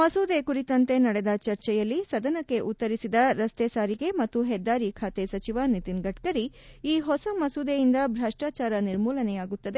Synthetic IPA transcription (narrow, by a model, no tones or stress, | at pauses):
mɐsuːd̪ekuɾit̪ɐnt̪e̞nɐɽed̪ɐt͡ʃɐɾt͡ʃɛjɐlːisɐd̪ɐnɐkːe̞ʔut̪ːɐɾisid̪ɐɾɐst̪eːsaːɾiɡe̞mɐt̪ːuɦɛd̪ːaːɾikʰaːt̪esɐt͡ʃiʋanit̪inɡɐʈkɐɾi | iːɦɔsɐmɐsud̪ejind̪ɐbɾaːʂʈaːt͡ʃaːɾɐniɾmuːlɐnɛjaːɡut̪ːɐd̪e